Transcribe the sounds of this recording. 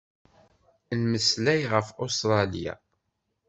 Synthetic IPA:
lməslæjʁəfost̪ɾˤɑlija̰

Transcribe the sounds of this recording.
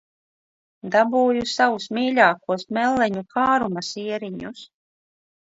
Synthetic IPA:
d̪abuːjusawusmiːʎʲaːkuɔsmɛlːɛɲukaːɾumasiɛɾiɲus

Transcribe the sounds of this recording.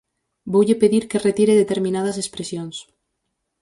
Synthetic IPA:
bowʎɪpeðiɾkeret̪iɾeðet̪eɾmĩnað̞ɐs̬espɾesjoŋs

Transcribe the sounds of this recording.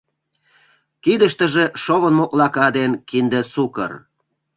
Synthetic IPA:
kid̪əʃt̪ə̆ʒeʃoβənmoklɑkɑd̪enkind̪esukə̰r

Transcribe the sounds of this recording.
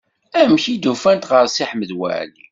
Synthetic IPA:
æmçid̪ufænt̪ʁəɾsiħməd̪wæ̰ʕli

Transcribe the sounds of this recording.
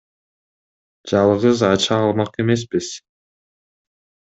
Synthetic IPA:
d͡ʒɑlˠʁɯzɑt͡ʃɑːlˠmɑqe̞me̞s̬piz̥

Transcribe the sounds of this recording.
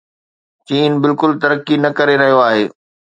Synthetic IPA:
t͡ɕiːnbɪlkʊlt̪ɐɾəkːinɐkɐɾeɾɐɦijoaːɦeː

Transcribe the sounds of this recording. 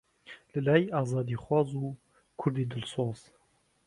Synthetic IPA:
lɨlɑːjiʔɑːzɑːd̪iːxwɑːzuː | kʰʊɾd̪iːd̪ɨlsoːz̥

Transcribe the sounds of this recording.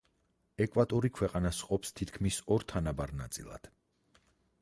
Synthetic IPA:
ɛkʼwat̪ʼɔɾikʰwɛqʼanasqʼɔpst̪ʰit̪ʰkʰmisɔɾt̪ʰanabaɾnat̪sʼḭlˠa̰d̪̥

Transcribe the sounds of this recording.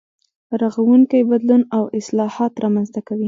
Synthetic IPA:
ɾaɣawuŋkajbad̪lunawɪslɑhɑt̪ɾɑmanzt̪akawi

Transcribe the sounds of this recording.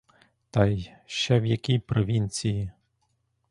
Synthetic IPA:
t̪ɑj | ʃt͡ʃɛʋjɐkʲijpɾɔʋʲinʲt͡sʲiji

